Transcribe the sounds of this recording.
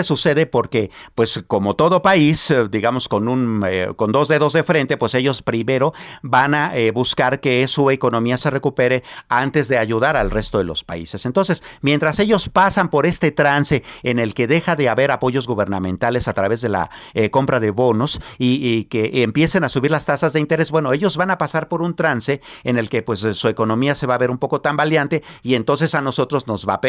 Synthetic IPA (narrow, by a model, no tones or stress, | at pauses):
suse̞ðe̞po̞ɾke̞pwe̞sko̞mo̞t̪o̞ðo̞paisd̪iɣamo̞sko̞nunko̞nd̪o̞zðe̞ðo̞zðe̞fɾe̞nt̪e̞pwe̞seʝo̞spɾime̞ɾo̞banaeβuskaɾke̞sue̞ko̞no̞miase̞re̞kupe̞ɾe̞ant̪e̞zðe̞aʝuðaɾalre̞st̪o̞ðe̞lo̞̰spa̰ḭse̞sent̪onse̞smjent̪ɾase̞ʝo̞spasampo̞ɾe̞st̪e̞t̪ɾanse̞ːne̞lke̞ðexaðe̞aβe̞ɾapo̞ʝo̞zɣuβ̞e̞ɾnamẽ̞nt̪ale̞sat̪ɾaβe̞zðe̞la̰ko̞mpɾað̞e̞βo̞nosikeʔːmpje̞se̞nasuβiɾlast̪asazðeint̪e̞ɾe̞sbwe̞no̞e̞ʝo̞zβanapasaɾpo̞ɾunt̪ɾanse̞ene̞lke̞pwe̞sːue̞ko̞nõ̞miase̞βaβe̞ɾumpo̞ko̞t̪ambaljant̪e̞ie̞nt̪o̞ns̬e̞sano̞so̞t̪ɾo̞zno̞zβap